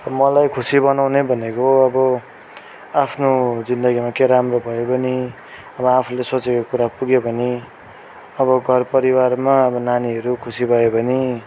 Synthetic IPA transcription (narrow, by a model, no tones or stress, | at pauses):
ʌmʌlajkʰusibʌnawnebʱʌnekoʌbʌ | apʰnod͡zind̪ʌɡimakeɾamrobʱʌjobʌni | ʌbʌapʰulesot͡sekokuɾapuɡebʱʌni | ʌbʌɡʱʌrpʌɾiwarmaʌbʌnaniɦʌɾukʰusibʱʌjebʱʌni